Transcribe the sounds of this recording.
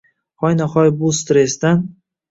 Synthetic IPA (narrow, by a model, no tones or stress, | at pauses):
χɒjnaχɒjbust̪ɾesd̪an